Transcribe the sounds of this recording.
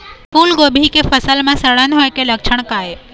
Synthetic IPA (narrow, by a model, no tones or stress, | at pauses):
fuːlɡobʱikefəsəlmãsəɭanɦojkeləkʃʰəɳ̃kae